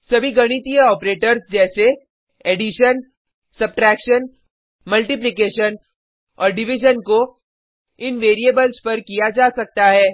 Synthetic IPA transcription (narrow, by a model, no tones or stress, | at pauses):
sɐbʱiɡɐɽ̃ɪt̪ijəɔːpɾeːʈəɾsd͡ʒɛːse | eːɖɪʃən | sɐb̚ʈɾɛːkʃən | mɐlʈɪp̬lɪkeːʃən | ɔ̰ːɾɖɪʋɪd͡ʒənko | ɪnʋeːɾiebəlzpɐɾkijad͡ʒaːsɐk̚t̪aɦɛː